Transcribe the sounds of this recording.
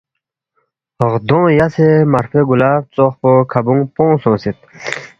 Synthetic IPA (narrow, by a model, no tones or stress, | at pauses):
ʁd̪õːjasemaɾfeɡulaːpt͡soχpokʰabuŋpõːsõːsit̪̚